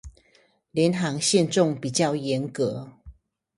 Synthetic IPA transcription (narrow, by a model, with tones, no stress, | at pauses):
ljɛ˨˦nɦɑ˧˥ŋɕjɛ˥˧nʈ͡ʂʊ˥˨ŋpi˨˩t͡ɕjɑ˥˨ʊjɛ˨˦˥nkɤ˧˦